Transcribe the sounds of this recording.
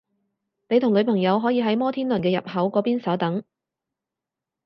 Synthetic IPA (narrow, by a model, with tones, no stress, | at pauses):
ne˨˧t̪ʰʊ˨˩ŋlɵ˨˧ɥpʰɐ˨˩ŋjɐ˨˧wɦɔː˨˥jiː˧ɦɐ˨˥jmɔː˥t̪ʰiː˥nlɵ˨˩nkɛː˧jɐ̰˨p̚hɐ˨˥wkɔː˨˧˥piː˥nsɐ˨˥wt̪ɐ˨˥ŋ